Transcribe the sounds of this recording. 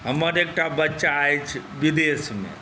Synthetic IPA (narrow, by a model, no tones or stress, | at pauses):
ɦəməɾek̚ʈabətːʃaːjt͡ʃʰ | bid̪esmḛ